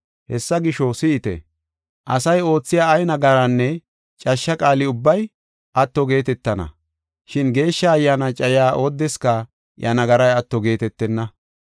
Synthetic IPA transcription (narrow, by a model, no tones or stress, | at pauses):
hɛsːɐɡɪʃɔsɪɪt̪ɛ̰ | ʔɐ̰sɐjo̞ːt͡sːɪjaːjnɐɡɐɾɐnːɛ | t͡ʃʼɐʃːɐkʼaːlɪʊbːɐj | ʔɐt̪ːɔɡe̞ːt̪ɛt̪ːɐnɐ̰ | ʃɪnɡe̞ːʃːɐːjːaːnɐt͡ʃʼɐjɪaːʔoːd̪ːɛskɐ | jɐnɐɡɐɾɐjɐt̪ːɔɡe̞ːt̪ɛt̪ːɛnːɐ